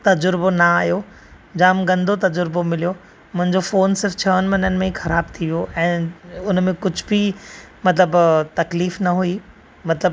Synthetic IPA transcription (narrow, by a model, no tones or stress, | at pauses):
t̪ɐd͡ʑʊɾbonɐaːjo | d͡ʑaːmɡɐ̃nd̪ʱot̪ɐd͡ʑʊɾbomɪlijo | mʊ̃ɦɪ̃ɲd͡ʑofoːnsɪɾft͡ɕʰɐənɪ̆mɐnənɪ̆mẽxɐɾaːbt̪ʰiʋijoʔɛ̃ːʊnmẽkʊd͡ʑʱbʱi | mɐt̪ləbt̪ɐkliːfnɐɦui | mɐt̪ləb